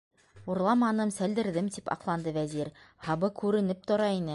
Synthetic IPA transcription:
uɾlˠɑmɑnɤmsæld̪ɘ̆ɾðɘmt̪ipɑ̰qlˠɑnd̪ɤvæziɾhɑβɤkʉɾɘ̆nɘp̚t̪ŏɾɑinɘ

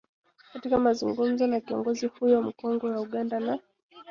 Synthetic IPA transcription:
katikamazuŋɡum̩zɔnakiɔ̰ŋɡɔzihujɔm̩kɔŋɡɔwauɠandana

